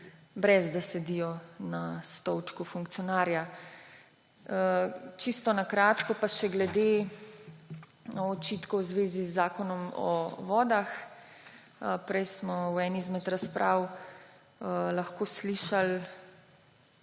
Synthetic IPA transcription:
bɾɛzd̪asɛd̪ijɔnast̪ɔwt͡ʃkufuŋk̚t̪ijɔnaːɾja | t͡ʃist̪ɔnakɾaːt̪kɔpaʃɛɡlɛd̪e | ɔt͡ʃit̪kɔwzʋeːzizːaːkɔnɔmɔ̰ʋɔːd̪ax | pɾɛjsmɔwɛnizmɛt̪ɾaspɾʔaːw | laxkoːsliːʃal

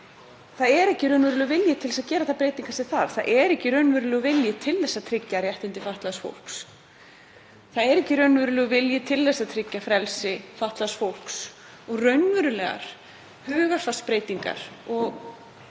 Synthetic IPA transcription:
θaðɛɾɛhcɪrɾœɥnvʏɾʏlɛɣvɪljɪt̪ʰɪlɛsaðcɛːɾaθaðpɾeːjt̪iŋkasɪθaðθaðʔɛɾɛhcɪɾœɥnvʏɾʏlɛːɣʏvɪljɪt̪ʰɪlθɛsːat̪ʰɾɪcːaɾjɛht̪ɪnt̪ɪfaht̪laðsfo̰wl̥ks | θaðɛɾɛhcɪɾœɥnvʏɾʏlɛɣvɪljɪt̪ʰɪlðɛsːaðt̪ʰɾɪcːafɾɛlsɪfaht̪laðsfowl̥ks | ɔɣrœɥnvʏɾʏlɛːɣa̰ɾ̥ | hʏːɣḁfaspɾeːjt̪iŋka̰ɾ̥ɔɣ

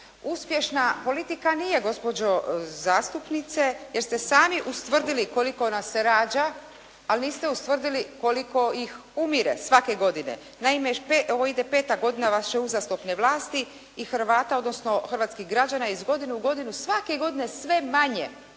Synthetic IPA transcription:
uspje̞ʃnapo̞lit̪ikanije̞ɡo̞spo̞d͡ʑo̞zaːst̪upnit̪se̞jeɾst̪e̞saːmiʔust̪ʋr̩d̪ilikolikoonaseɾaːd͡ʑaː | lniːst̪eust̪ʋr̩d̪iliko̞liko̞ixumiɾḛsʋake̞ɡo̞d̪ine̞̰ | naimepeoʋoid̪epeːt̪aɡo̞d̪inaʋasʃeuzast̪opneʋlˠaːst̪i | ixɾ̩ʋaːt̪ao̞d̪nosno̞xr̩ʋat̪skiɦɡɾad͡ʑanaizɡo̞d̪inuːɡo̞d̪inusʋake̞ɡo̞d̪inesʋe̞maɲe

